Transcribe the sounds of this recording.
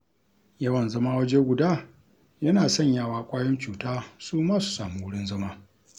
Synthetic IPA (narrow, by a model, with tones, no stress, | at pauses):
jɐ˦wɐ˨nzɐ˦maː˦wɐ˦d͡ʒe˦ɡʷʊ˨daː˦ | jɐ˦naː˨sɐ˦ɲjaː˦˨waː˦kʷʼaː˦jɔ˦nt͡ʃuː˨taː˦suː˦maː˦su̥˨sa̰ː˨mu˦wʊ˦ɽɪ˦nzɐ˦maː˦